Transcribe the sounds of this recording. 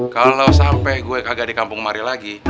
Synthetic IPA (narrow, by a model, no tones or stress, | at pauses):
kalasampɛɡuɛkaɡadikampʊŋmaɾilaɡi